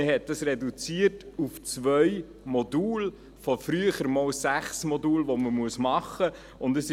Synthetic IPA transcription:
əɦɛt̚d̥ɑsɾɛdut͡siːərtuft͡sʋœʏ | mɔduːl | fɔfɾyəχəɾmɔːwsæχsmɔduːlʋɔməmuəsmɑχːə | ʊndəsɪ

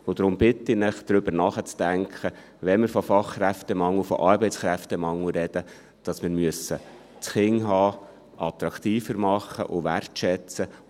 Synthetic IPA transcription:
ʊd̪ɾʊmbɪtɪnɪχd̥ɾʏbəɾnɑχət͡sd̥æŋkʰχə | ʋɛnmɪɾfɔfɑχχɾæftɛmɑŋːəfɔ̰ʔɑɾbɛɪt͡sχɾæftɛmɑŋəɾɛd̥ə | d̥ɑsmɪːɾmyəsə | t͡sχɪŋɦɑː | ʔɑt̪ɾɑkt̪iːfəɾmɑχːə̰ʔʊʋærtʃɛt͡sə

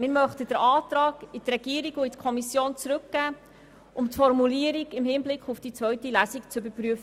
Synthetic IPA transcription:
mɪɾmœχtəd̥əɾɑːtɾɑːɡɪt̪rɛɡ̥iːəɾiɡuɪt̪kʰɔmisjoːnt͡sɾɵkɡ̥æː | ʔʊmtfɔɾmuliəɾiɡɪmhɪnblɪkχufd̥it͡svœɥtilæsikt͡sʏbəɾpɾyəfə

